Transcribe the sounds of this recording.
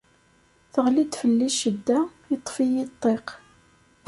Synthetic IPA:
θəʁlid̪fəlːiʃəd̪ːæ | it̪ˤːfijit̪ˤːeq

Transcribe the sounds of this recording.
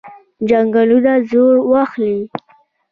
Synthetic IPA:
d͡ʒaŋɡalunazoɾwaxli

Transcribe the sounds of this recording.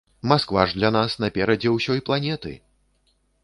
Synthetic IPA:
maskvaʐd̪lʲanasn̪ɐpʲɛɾɐd͡zʲɛwsʲɔjplˠanʲɛt̪ɨ̰

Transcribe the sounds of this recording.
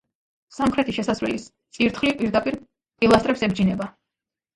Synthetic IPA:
samχɾɛt̪ʰiʃɛsasvɛ̰list̪sʼiɾt̪ʰχlipʼiɾd̪apʼiɾ | pʼilˠast̪ɾɛpsɛbd͡ʒinɛba

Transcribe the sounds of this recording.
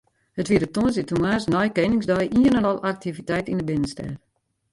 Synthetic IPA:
hətʋiədətuənsitumaːsnɔjkenɪŋzdɔjʔiənənɔlˠʔak̚tʰivitɛjtindəbɪnənstɛ̰r

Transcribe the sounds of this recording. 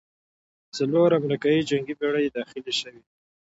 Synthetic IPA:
t͡saloɾamɾikɑjid͡ʒaŋɡibeɽəjed̪ɑxɪleʃəwi

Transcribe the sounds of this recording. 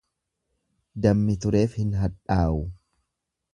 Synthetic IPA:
d̪ɐmːɪt̪ʊɾe̞ːfhɪnɦɐᶑaːʔʊ

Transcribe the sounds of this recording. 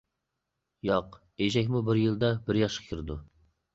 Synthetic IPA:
jɑq | eʒɛkʲmubɪɾjɨlˠd̪ɑbɪɾjɑʃqʰɑ̥kʲʰiɾɪd̪u

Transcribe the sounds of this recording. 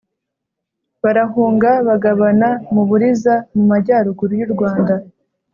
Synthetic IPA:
βaɾaɦuːŋɡaβaɡaβanamuβuɾizamumaɟaːɾuɡuɾujuɾɡwaːnda

